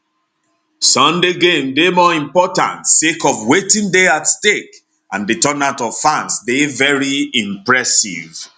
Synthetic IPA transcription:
sʌ̃ndeɡẽmdemɔĩmpɔtã̰ntsekɔvwetĩŋdeatstek | ʔãnditɔnãntɔv̥fãnsdevɛɹiĩmpɹɛsḭv

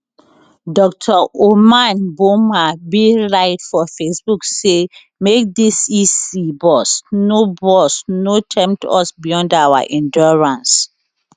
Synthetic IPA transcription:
dɔk̚tʰaʔomãnbomabiɹaɪtfɔfesbukse | mek̚disisibɔsnobɔsnotʰɛ̃mp̚tʰɔ̰sbijɔ̃ndawa̰ʔĩndɔɹãns

